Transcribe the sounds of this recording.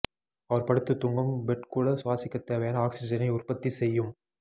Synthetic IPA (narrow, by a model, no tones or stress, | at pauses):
ɐʋɐɾpɐɽɯt̪ːɯt̪ːʊŋɡɐmbɛʈkuːɽɐsʊʋaːsɪkːɐt̪ːeːʋɐjaːnɐaːksɪd͡ʒɐnɐɪʊrpɐt̪ːisɛjːɯm